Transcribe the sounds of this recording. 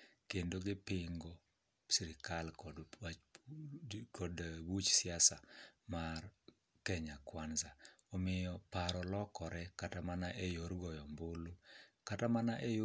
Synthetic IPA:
kendoɡɪpɪŋɡɔ | siɾɪkalkɔ | kɔdwut͡ʃsɪasamar | kɛɲakwanzaɔmɪjɔpaɾɔlɔkɔɾɛkatamanaʔejoɾɡɔjɔmbolukatamanaʔej

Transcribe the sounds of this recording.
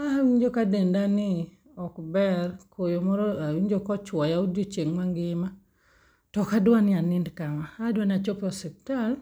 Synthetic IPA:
awiɲd͡ʒokadendanɪ | ɔkbɛrkʰojomɔɾɔwiɲd͡ʒokɔt͡ʃwɔjaodjot͡ʃeŋmaŋɡɪma | tɔkadwanɪanɪndkamaadwanat͡ʃopɔsɛk̚tal

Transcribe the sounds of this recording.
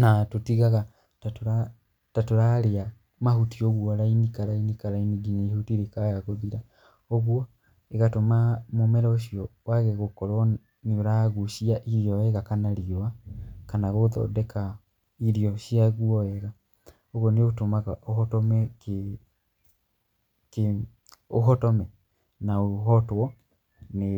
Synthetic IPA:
natotiɣaɣa | tatoɾa | tatoɾaɾea | maɦutioɣwɔɾainikaɾainikaɾainiɡiɲaihutiɾekajaɣoðiɾa | ɔɣwɔ | eɣatomamomɛɾaoɕiɔwaɣɛɣokɔɾwɔ | neoɾaɣuʃiaʔiɾiɔɛɣakanaɾiɔakanaɣoðɔ̰dɛka | iɾiɔɕiaɣwɔɛɣa | oɣwɔneotomaɣaʔohɔtɔmɛk | ke | oɦɔtɔmɛ | naoɦɔtwɔ | ne

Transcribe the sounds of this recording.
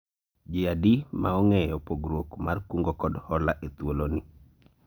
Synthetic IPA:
d͡ʒɪadimaɔŋɛjɔpoɡɾwokmarkuŋɡokɔdhɔlaʔet̪woloni

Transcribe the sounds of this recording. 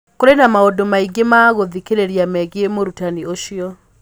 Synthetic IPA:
koɾenamaodomaiɡemaɣoðikeɾeɾiamɛɣeemoɾutanioʃiɔ

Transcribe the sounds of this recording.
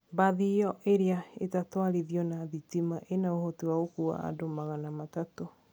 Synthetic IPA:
baðiɔʔeɾiaetatoaɾiðiɔnaðitimaʔenaohotewaokua̰a̰domaɣanamatato

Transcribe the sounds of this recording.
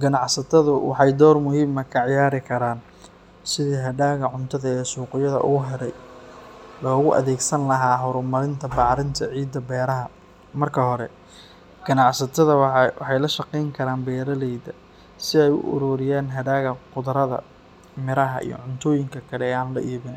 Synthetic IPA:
ɡɐnɑʕsɐt̪ʰɐðʊwɑ̰ħɑjd̪ɔːrmʊhiːmɐkʰɐʕɪjaːɾɪkʰɐɾaːn | sɪðiːɦɐdaːɣɐʕʊnt̪ʰɐðɐɛːsuːqɪjɐðɐ̰ʔʊɦɛɾɛj | lɔːɣʊʔɐ̰ðɛːɡsɐnlɐɦaːɦɔɾʊmɐɾɪnt̪ʰɐbaːɾɪnt̪ʰɐʕiːd̪ːɐbɛːɾɐɦɐ | mɐrkʰɐɦɔɾɛ | ɡ̥ɐnɑʕsɐt̪ʰɐðɐwɑħɑjlɐʃɐqɛjŋkʰɐɾaːnbɛːɾɐlɛjðɐ | sɪɛjʊ̰ʔʊ̰ɾuːɾɪjaːnɦɐɖaːɣɐqʊðɐɾɐðɐ̰ | mɪɾɐɦɐ̰ʔḭjɔ̰ʕʊnt̪ʰɔːjɪŋkʰɐkʰɐlɛːaːnlɐʔiːβɪn

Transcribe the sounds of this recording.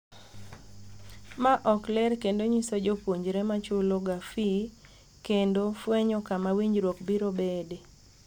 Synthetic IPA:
maʔɔklɛɾkendoɲisod͡ʒopwoɲd͡ʒɾɛmat͡ʃʊloɡafi | kendofwɛɲɔkamawiɲɾwokbiɾobede

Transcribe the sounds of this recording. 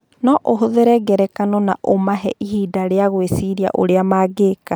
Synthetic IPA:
nɔʔoɦoðeɾɛɡɛɾɛkanɔnaʔomaɦɛʔihidaɾeaɣwesiɾia̰ʔo̰ɾeamaːɡeka

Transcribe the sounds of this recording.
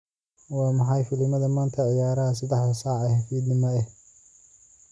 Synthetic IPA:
wɑːmɑħɑjfɪlɪmɐðɐmaːnt̪ʰɐʕɪjaːɾɐɦɐsɐd̪ɑħd̪ɐsɑːʕɛhɐfiːd̪nɪmɐɛh

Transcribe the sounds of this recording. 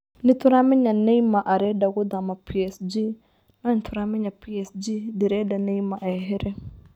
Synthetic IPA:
nɪ̃tʰʊɾamɪ̃ɲanɛimãʔaɾɛdaɡʊdamapʰiɛsd͡ʒi | nãn̩tʰʊɾamɪ̃ɲapʰiɛsd͡ʒidɪɾɛdanɛ̃imaʔɛɦɪɾɪ

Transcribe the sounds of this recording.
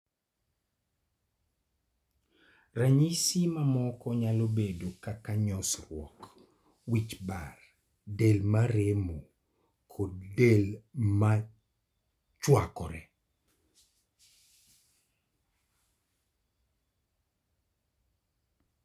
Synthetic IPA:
raɲisimamɔkɔɲalobedokakaɲɔsrwɔ̰k | wit͡ʃbar | delmaɾemo | kʰɔdelma | t͡ʃwakɔɾɛ

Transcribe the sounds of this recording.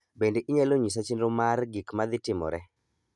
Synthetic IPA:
bendeʔiɲaloɲis̬at͡ʃinɾomarɡikmad̪ɪtɪmɔ̰ɾɛ

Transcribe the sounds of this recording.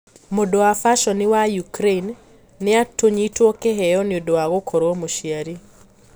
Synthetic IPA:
modoafaʃɔnɪwajukɾeinː | ɪatoɲitwɔkɛɦɛjɔnɪodoaɣokʰoɾwmoʃjaɾi

